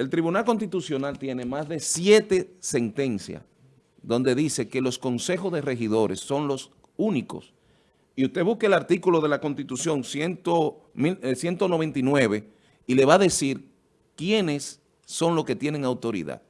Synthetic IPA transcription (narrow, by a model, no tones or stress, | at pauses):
e̞lt̪ɾiβunalko̞nst̪it̪usjo̞nalt̪je̞ne̞masðe̞sjet̪e̞se̞nt̪e̞nsja̰s | ðo̞nd̪e̞ðise̞ke̞lo̞sko̞nse̞xo̞zðere̞xiðo̞ɾesːo̞nlo̞s | uniko̞̰s | iust̪e̞βuskelaɾt̪ikulo̞ð̞e̞lako̞nst̪it̪usjo̞ŋsjent̪omiesje̞nt̪o̞no̞β̞e̞nt̪inwe̞βe̞ | ile̞βaðe̞siɾ | kjene̞sː | o̞ŋloske̞t̪je̞neŋawt̪o̞ɾḭða̰ð